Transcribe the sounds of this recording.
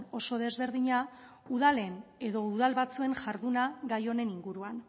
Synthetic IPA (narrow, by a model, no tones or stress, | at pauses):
no̞so̞ð̞e̞zβe̞ɾðiɲa | uðale̞ne̞ðo̞uðalβat͡sue̞nʝaɾðunaɡajo̞ne̞niŋɡuɾuan